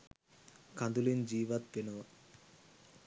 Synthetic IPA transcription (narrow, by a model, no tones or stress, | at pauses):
kʰad̪ulind͡ʑiːʋat̪̚penoʋa